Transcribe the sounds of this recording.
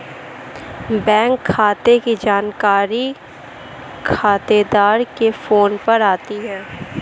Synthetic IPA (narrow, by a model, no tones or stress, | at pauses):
bɛ̃ːŋkʰːaːt̪ekid͡ʒaːnkaːɾi | kʰaːt̪ed̪aːɾkefoːnpɐɾaːt̪iɦɛ̃ː